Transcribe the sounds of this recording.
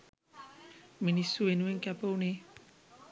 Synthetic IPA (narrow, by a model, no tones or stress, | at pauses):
minisuenuweŋkapəwni